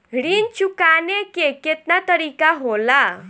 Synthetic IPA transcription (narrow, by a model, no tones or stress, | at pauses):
ɽiːnt͡ɕukanekeket̪nat̪əɾikaɦola